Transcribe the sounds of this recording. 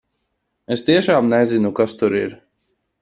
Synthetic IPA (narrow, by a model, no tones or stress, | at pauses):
est̪iɛʃaːmnɛzinukast̪uɾiɾ